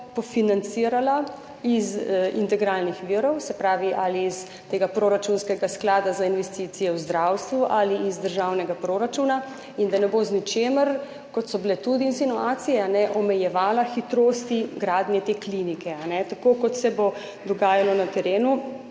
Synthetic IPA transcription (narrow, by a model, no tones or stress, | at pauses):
pɔfinant̪siɾala | izḭnt̪ɛɡɾaːlnixʋiɾɔwsɛpɾaːʋiʔaliːs | t̪eːɡapɾoɾat͡ʃunskɛɡasklaːd̪azainʋɛst̪iːt̪sijɛwzd̪ɾawst̪ʋuʔaliizd̪əɾʒawnɛɡapɾoɾat͡ʃuna | ind̪anɛboznit͡ʃeːməɾ | kɔt̪sɔbilɛt̪ud̪iːnsinuaːt̪sijɛanɛʔɔmɛjɛʋaːlaxit̪ɾost̪iɡɾaːd̪njɛt̪eklinikɛanɛt̪akokɔt̪sɛbo | d̪ɔɡaːjalɔnat̪ɛɾeːnu